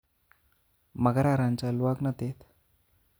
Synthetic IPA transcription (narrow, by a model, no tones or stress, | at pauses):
məɡɾaɾãnt͡ɕalʋaɡnət̪et̪